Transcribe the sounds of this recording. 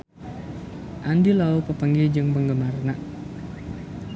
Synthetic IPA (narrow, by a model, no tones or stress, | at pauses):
ʔandilaupəpəŋɡid͡ʒɨŋpəŋɡəmarnaʔ